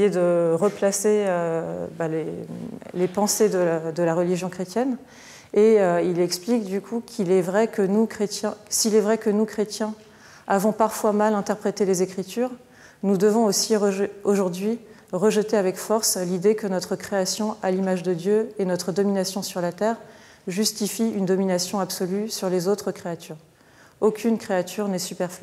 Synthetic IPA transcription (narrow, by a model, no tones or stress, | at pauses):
jed̪əʁəplaseøbalelepɑ̃sed̪əd̪əlaʁəliʒjɔ̃kχet̪jɛn | eøilɛksplikd̪ykʰukʲʰilɛvʁɛkənukχet̪jɛ̃siːlɛvʁɛkənukχet̪jɛ̃ | avɔ̃paʁfwamalɛ̃t̪ɛʁpχet̪elezekχit̪yːʁ | nud̪əvɔ̃osioʒuʁd̪ɥi | ʁəʒət̪eavɛkfɔʁslid̪ekənɔt̪χəkχeasjɔ̃ʔalimaʒd̪əd̪jøenɔt̪χəd̪ɔminasjɔ̃syʁlat̪ɛʁ | ʒyst̪ifiynd̪ɔminasjɔ̃absɔlysyʁlezot̪χəkχeat̪yːʁ | okʲʰynkχeat̪ʰyʁnɛsypɛʁfli